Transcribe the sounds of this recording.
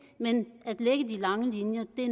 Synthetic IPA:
menæd̥leɡ̥ədilɑ̈ŋəlinjɐd̥e̝

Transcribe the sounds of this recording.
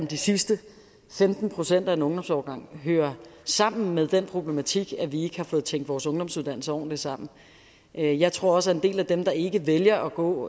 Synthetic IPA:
md̥isisd̥ə | femd̥n̩pʰʁo̝sen̰d̥æenɔ̽ŋd̥ɒ̽msɒʊɡ̥ɑ̈ŋ̰ɦøːɐsɑ̈m̰n̩meðˠd̥enpʰʁo̝b̥le̝mæt͡sʰiɡ̥æʋie̝ɡ̥əhɑ̈fɔ̽ːð̞̩ˠʰeŋ̰d̥ʋɒːsɔ̽ŋd̥ɒ̽msuðˠdænl̩səɒ̰nd̥e̝sɑ̈m̰n̩ | ʔjɑ̈ɪt͡sʰʁo̝ɐ̰ɒ̽səæɐe̝nd̥e̝̰ːlæd̥emd̥ɑ̈e̝ɡ̥əʋeljɐʔɒ̽ɡ̥ɔ̰̽ː

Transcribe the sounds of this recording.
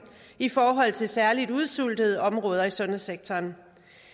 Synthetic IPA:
ifɒːɦɒ̽l̰t͡sʰe̝lsæɐlid̥uð̞ˠsul̰d̥əð̞ˠɒ̽mʁɔ̽ːð̞ˠɐisɔ̽næseɡ̥̚t͡sʰɒːn

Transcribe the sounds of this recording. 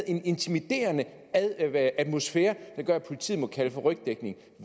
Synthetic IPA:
e̝ne̝nt͡sʰimid̥e̝̰ːɐnə | ʔæ̥mo̝sfeːɐd̥ɑ̈ɡ̥ɶɐæpʰo̝lit͡sʰḭːmɒ̽kʰæləfɒ̽ʁœɡ̥̚d̥eɡ̥ne̝ŋ

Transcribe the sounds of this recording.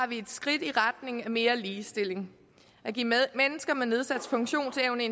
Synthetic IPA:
ɑ̈ʋie̝d̥sɡ̥ʁid̥iʁad̥ne̝ŋ̩æme̝ːɐliːsd̥e̝l̰e̝ŋ | æɡ̥ḭːmenəsɡ̥ɐmene̝ð̞ˠsæd̥sfɔ̽ŋɕo̝̰ːnt͡sʰeʊnəe

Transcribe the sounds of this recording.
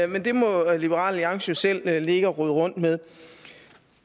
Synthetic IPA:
mend̥e̝mɒ̽lib̥əʁɑ̰̈ːlliɑ̈ŋɕosel̰le̝ɡ̥əɒʁyðˠʁɔ̽n̰d̥meðˠ

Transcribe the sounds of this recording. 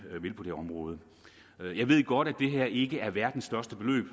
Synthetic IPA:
ʋe̝lpʰɒ̽d̥eɒ̽mʁɔ̽ːð̞ˠə | jɑ̈ɪʋe̝ð̞̰ˠɡ̥ɒ̽ɾ̥æd̥e̝ɦæɐ̰e̝ɡ̥əæɐʋæɐd̥n̩sd̥ɶɐsd̥əb̥e̝lø̰ːb̥

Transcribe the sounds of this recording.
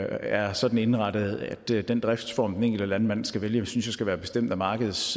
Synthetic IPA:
æɐsɒ̽d̥n̩e̝nʁɑ̈ɾ̥əð̩ˠæd̥d̥end̥ʁɛfd̥sfɒ̰ːmd̥ene̝ŋ̰ɡl̩d̥əlænmæn̰sɡ̥æʋeljəmsynsjɑ̈sɡ̥æʋæːɐb̥e̝̥sd̥em̰d̥æmɑ̈ːɡ̥əð̞̩ˠs

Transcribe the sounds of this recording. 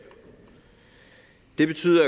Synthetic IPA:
d̥e̝b̥e̝t͡sʰy̰ːðˠɐ

